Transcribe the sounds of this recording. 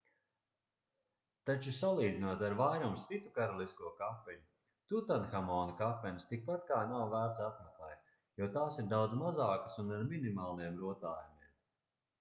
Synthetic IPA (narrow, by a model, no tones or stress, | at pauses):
t̪at͡ʃusalˠiːd̪zinuɔt̪aɾvajɾumst̪sit̪u̥kaɾɔlˠiskuɔkafɛɲu | t̪ut̪anxamɔːnkafɛnəst̪ik̚pat̪̚kaːnawvæːɾt̪sat̪maklˠɛ̰j | jɔt̪aːsiɾd̪awd̪zmazaːkə̥sunaɾminimaːlˠajɛmɾuɔt̪aːjumiɛm